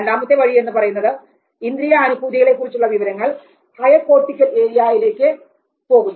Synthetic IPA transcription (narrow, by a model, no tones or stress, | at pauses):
nɖ̪aːmɐt̪ːe̞ʋɐɻie̞nːɨpɐrɐjunːɐðɨ | ind̪ɾijɐːnubʱuːðiɣɐɭe̞kːurit͡ɕːuɭːɐʋiʋɐɾɐŋːɐɭ | hɐjɐpo̞ːrʈːikʲːɐte̞ːɾijaːjile̞ːkːɨ | po̞ːɣunːɐ